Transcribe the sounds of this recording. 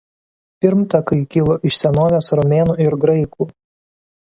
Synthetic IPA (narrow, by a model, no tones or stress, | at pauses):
pʲɪɾmt̪ɐkɐɪkʲɪlˠoːʔɪʃsʲɛnoːʋʲeːsɾɔmʲeːnuːɪɾɡɾɐɪkuː